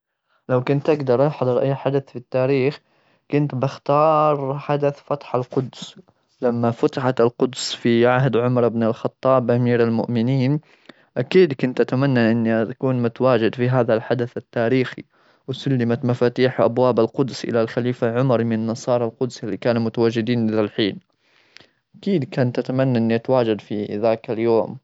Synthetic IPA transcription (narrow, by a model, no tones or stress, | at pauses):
lawkʊnt̪ʔaɡd̪ɑɾˤʔɑħɑd̪ˤɾˤʔajħad̪aθfit̪ːaːɾiːx | kʊnt̪bɪxt̪ɑːɾˤħad̪aθfɑt̪ˤħalqʊd̪s | lamːafat̪aħat̪ɪlqʊd̪sfiʕaɦd̪ʕʊmɾˤɪbnɪlxɑt̪ˤːɑːbʔamiːɾalmʊ̰ʔmɪniːn | ʔakiːd̪kʊnt̪ʔat̪amanːaʔɪnːiat̪akuːnmʊt̪awaːd͡ʒɪd̪fiɦaːðalħad̪aθat̪ːaːɾiːxḭ | wsʊlːɪmat̪mafaːt̪iːħʔa̰bwaːbalqʊd̪sʔɪ̰lalxaliːfaʕʊmɑɾˤmɪnanːɑsˤɑːɾˤɑlqʊd̪sɪlːikaːnumʊt̪awaːd͡ʒːɪd̪iːnʔɪðalħiːl | ʔʔakiːd̪kant̪ʔat̪amanːaʔɪnːiʔat̪waːd͡ʒad̪fiðaːkaljoːm